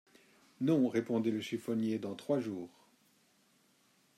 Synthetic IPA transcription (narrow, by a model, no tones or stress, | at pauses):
nɔ̃ʁepɔ̃d̪ɛləʃifɔnjed̪ɑ̃t̪χwaʒuːʁ